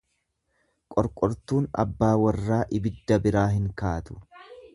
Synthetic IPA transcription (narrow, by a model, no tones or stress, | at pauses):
kʼɔɾkʼɔɾt̪uːnɐ̰bːaːwɐrːaːʔɪbɪd̪ːɐbɪɾaːɦɪŋkaːt̪ʊ̥